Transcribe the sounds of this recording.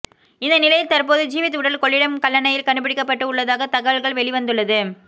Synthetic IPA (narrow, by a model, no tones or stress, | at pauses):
ɪnd̪ɐnɪlɐjɪlt̪ɐrpoːðɯd͡ʒiːʋɐt̪ːɯɽɐlkɔɭːɪɽɐmkɐɭːɐnɐjɪlkɐɳɯpːɪɽɪkːɐpːɐʈːɯʊɭːɐðaːɣɐt̪ɐɣɐɭɣɐɭʋɛɭɪʋɐnd̪ɯɭːɐðɯ